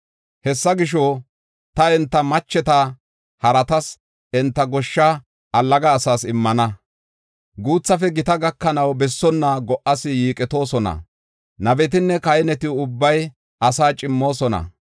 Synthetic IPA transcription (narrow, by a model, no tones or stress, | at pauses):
hɛsːɐɡɪʃ̬ɔ | t̪ɐɛnt̪ːɐmɐt͡ʃːɛt̪ɐ | hɐɾɐt̪ɐs | ɛnt̪ːɐɡɔʃːɐ | ʔɐlːɐɡɐːsaːsɪmːɐnɐ | ɡuːt͡sːɐfɛɡɪt̪ɐɡɐkːɐnɐwbɛsːɔnːɐɡɔʔɐsɪjiːkʼɛt̪o̞ːsɔnɐ̰ | nɐbɛt̪̬ɪnːɛkɐjnɛt̪ɪʊbːɐj | ɐsaːt͡ʃʼɪmːo̞ːsɔnɐ̰